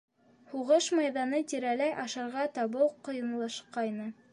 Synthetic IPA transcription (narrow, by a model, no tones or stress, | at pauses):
huʁɤʃmɑjðɑnɤt̪ʲiɾælæjʔɑʃɤ̆ɾʁɑt̪ɑβɤw̪ˠqŏjɤ̆nlˠɑʃqɑjnɤ